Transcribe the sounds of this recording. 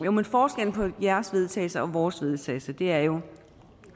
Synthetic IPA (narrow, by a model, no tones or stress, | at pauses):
jomenfɒːsɡ̥en̰pʰɒ̽jæɐsʋe̝ð̞ˠt͡sʰɛ̰ːsɐʔɒ̽ʋɒːsʋe̝ð̞ˠt͡sʰɛ̰ːɪsɐd̥e̝æɐjo̝